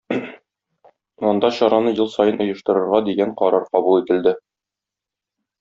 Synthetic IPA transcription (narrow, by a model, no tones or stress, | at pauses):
ɒnd̪ɑɕɒɾɑnɤjɤlˠsɒjɤnʔŏjɤ̆ʃt̪ɤ̆ɾɤ̆ɾʁɑd̪iɡæɴqɒɾɑɾqɒbulˠit̪ɘ̆ld̪ɘ